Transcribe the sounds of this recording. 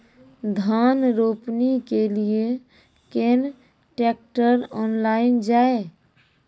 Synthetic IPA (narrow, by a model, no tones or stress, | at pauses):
d̪ʱanɾopnikelie | ken | ʈek̚ʈəɾɔnlaind͡ʒae